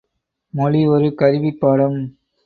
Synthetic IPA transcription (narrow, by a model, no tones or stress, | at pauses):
mɔliɔɾɯkɐɾɪʋipːaːɽɐm